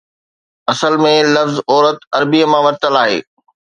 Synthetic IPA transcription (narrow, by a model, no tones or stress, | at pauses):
ɐsəlmẽlɐfzɔːɾət̪ɐɾbiəmãːʋɐɾt̪əlaːɦḛː